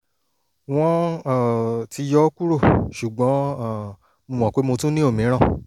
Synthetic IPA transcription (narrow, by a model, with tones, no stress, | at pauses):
w̃ɔ̃˦˨ | ti˧jɔ˦ku˦ɾo˦˨ʃu˨ɡ͡bɔ̃˨˦˨ | mõ˧w̃ɔ̃˨ke˦mo˧tũ˦nĩ˦o˦˨mĩ˨˦ɾ̃ã˦˨